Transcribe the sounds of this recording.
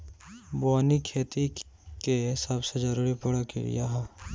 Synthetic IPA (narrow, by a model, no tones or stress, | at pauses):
bɔːnikʰeːt̪i | kesɐbsed͡ʒɐɾuːɾipɐɽakḭɾḭjaɦɛ